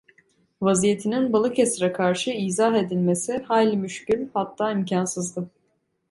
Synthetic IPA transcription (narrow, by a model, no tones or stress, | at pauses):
vazije̞t̪ʰininbalˠɯkʰesɾɛkʰaɾʃɯiːzaɦe̞d̪ilʲme̞sihajlʲimyʃcylʲhat̪ʰːaːimcʰansɯzd̪ɯ